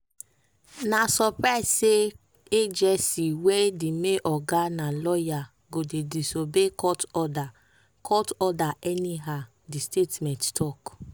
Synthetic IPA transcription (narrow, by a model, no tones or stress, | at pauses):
nasɔpɾaɪsse | ed͡ʒɛsiwedimeʔɔɡanalɔja | ɡodedisobekɔtɔda | kʰɔtɔdaʔɛniɦa | distetmɛ̃nttʰɔk